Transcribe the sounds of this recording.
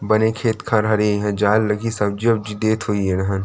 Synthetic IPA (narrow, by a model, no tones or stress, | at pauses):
bɐnekʰeːt̪kʰãɾɦɐɾeɦɛ̃d͡ʒaːlːɐɡisɐb̚d͡ʒiɐb̚d͡ʒid̪eːt̪ʰɦoːienɐɦən